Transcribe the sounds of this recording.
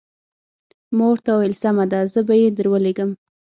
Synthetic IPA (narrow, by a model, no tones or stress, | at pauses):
moɾt̪awelsamad̪azəbajed̪əɾwəleɡəm